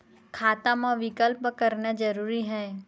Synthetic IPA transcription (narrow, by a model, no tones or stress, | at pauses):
kʰaːt̪amãʋɪkəlpkəɾnad͡ʒəɾuːɾiɦɛː